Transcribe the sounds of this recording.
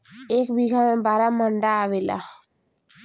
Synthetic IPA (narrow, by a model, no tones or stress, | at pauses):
eːkbiɡʱamẽbaːɾaməɳɖaːʋela̰